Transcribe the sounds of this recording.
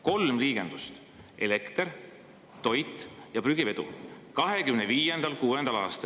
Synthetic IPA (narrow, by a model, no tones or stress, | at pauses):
ko̞lmliːɡ̥e̞nd̪̥ust̪ | ʔe̞le̞kt̪er | t̪o̞jt̪ːˑjɑpryɡ̥ive̞d̪̥ṵkɑɦe̞kymneviːje̞nd̪̥ɑlkuːend̪̥ɑlɑːst̪ɑ